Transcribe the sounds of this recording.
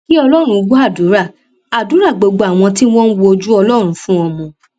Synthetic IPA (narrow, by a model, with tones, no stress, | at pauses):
ki˦ɔ˧lɔ˦ɾ̃ũ˧ɡ͡bu˦a˦˨du˨˦ɾa˦˨ | a˨du˨˦ɾa˦˨ɡ͡bo˧ɡ͡bo˧a˨w̃ɔ̃˧ti˦w̃ɔ̃˦n̩˦wo˧o˧d͡ʒu˦ɔ˧lɔ˦ɾ̃ũ˨˦fũ˦ɔ˧mɔ̃˧